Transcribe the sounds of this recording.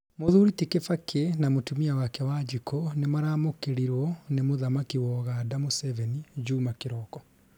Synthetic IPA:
moðuɾitikefakenamotumiawakɛwad͡ʒikɔnemaɾaːmokeɾiɾwɔnemoðamakiwɔɣadamosɛvɛnid͡ʒuːmakeɾɔkɔ

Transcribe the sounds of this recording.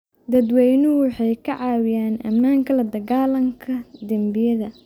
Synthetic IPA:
d̪ɐd̪wɛjnʊwɑħɑjkʰɐʕɑːwɪjaːnɐ̰mːaːŋkʰɐlɐd̪ɐɣaːlɐŋkʰɐd̪ɐmbɪjɐðɐ

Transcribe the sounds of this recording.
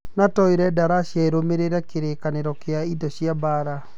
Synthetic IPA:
natɔiɾɛdaɾaɕjaeɾomeɾeɾakeɾekaneɾɔkeaidɔɕjabaɾa

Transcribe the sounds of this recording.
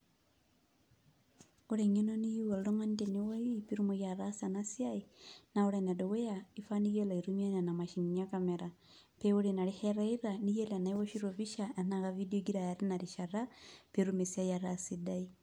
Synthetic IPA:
oɾeɲenonijiwolloŋantenewoipiɾumojaɾasanasjainaoɾenadowejaifanijelaiɾumiananamaʃiɲɲakameɾa | peoɾenaɾiheɾaiɾanijelanaiwoʃiɾoβiʃaenaɣavidioɡiɾajaɾinaɾiʃaɾapiɾumesjajaɾasidai

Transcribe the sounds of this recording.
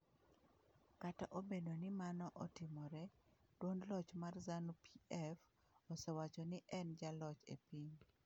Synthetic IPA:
kataʔobedonɪmanɔʔɔtɪmɔɾɛd̥wonlɔt͡ʃmarzanupiɛf | ɔsɛwat͡ʃɔnɪʔɛnd͡ʒalɔt͡ʃḛpiɲ

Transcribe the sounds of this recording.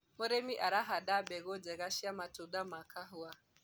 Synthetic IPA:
mɔɾɛmiʔaɾaɦaɗabɛɣɔd͡ʒɛɣaʃiamatuɗamakʰaɦua

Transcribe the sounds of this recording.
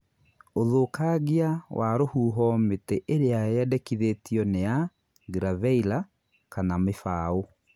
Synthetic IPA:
oðoːkaɣiawʔaɾohuːɦɔmeteʔeɾeajɛdɛkiðetiɔnea | ɡɾavɛila | kanamefao

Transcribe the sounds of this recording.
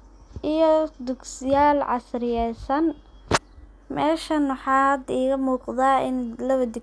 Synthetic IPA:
ʔijɔd̪ʊɡsɪjaːlʕɑ̰srɪjɛjsɐn | mɛːʃɐnʊħɑːd̪iːɣɐmuːqðaːɪnlɐwɐd̪ɪ

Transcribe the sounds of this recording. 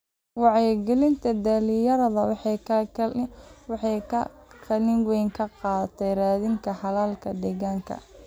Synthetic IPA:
wɑʕɛjɡɛlɪnt̪ʰɐd̪aːlɪjɐɾɐðɐw | wħkʰɐkʰɐlɪŋwɛjŋkʰɐqɑːt̪ʰɛjraːðɪŋkʰɐħɑlaːlkʰɐd̪ɛɣaːŋkʰɐ̰

